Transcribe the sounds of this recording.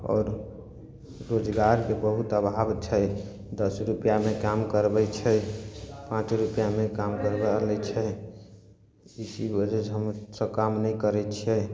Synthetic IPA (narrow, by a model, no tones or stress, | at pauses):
ɔ̰ːɾ | od͡ʒɡaɾkebəɦut̪əbʱabt͡ʃʰɛ | d̪əsɾupjamekamkəɾbɛt͡ʃʰɛ | pãt͡ʃɾupjamekamkəɾblɛt͡ʃʰɛ | isibəd͡ʒɛsɦəmsə̃kamnəikəɾɛt͡ʃʰɛ